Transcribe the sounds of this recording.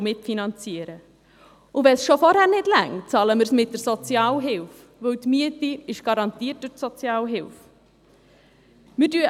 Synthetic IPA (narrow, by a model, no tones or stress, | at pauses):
mɪtfinɑnt͡siəɾə | ʊvɛsʃofɔɾhæːɾnɪdlæ̰ŋt͡sɑːləmɪɾsmɪt̚d̥əɾsɔt͡sjɑːlɦɪlf | vɵwtmyətiɪʃɡ̥ɑɾɑnt̪iət̚d̥ʊtsɔt͡sjɑːlɦɪlf | mɪɾdyə